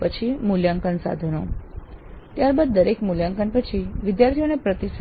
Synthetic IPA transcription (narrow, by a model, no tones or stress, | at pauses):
pət͡ʃʰimuljaŋkənsa̰d̪ʱəno | t̪jaɾbad̪̚ːəɾekmuljaŋkənpət͡ʃʰiʋɪd̪jaɾt̪ʰionepɾət̪is